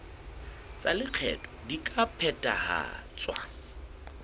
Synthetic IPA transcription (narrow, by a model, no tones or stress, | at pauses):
t͡sʼalɪq͡χʰɛ̰tʼɔdikʼapʰɛtʼa̰ha̰t͡sʼwa